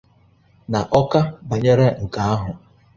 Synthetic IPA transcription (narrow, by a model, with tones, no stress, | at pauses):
na˨ʔɔ˦ka˦ba˨ɲe˦ɾe˦ŋ̩˨ka˨a˦ɦʊ˨